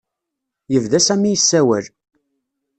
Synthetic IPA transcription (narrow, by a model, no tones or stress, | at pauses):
jəvðæsæmːijəsːæwæl